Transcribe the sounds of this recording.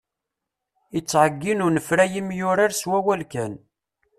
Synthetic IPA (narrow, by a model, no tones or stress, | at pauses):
it͡sːʕəɡːinʊɾnəfɾæjimjʊɾaɾswæwælkæn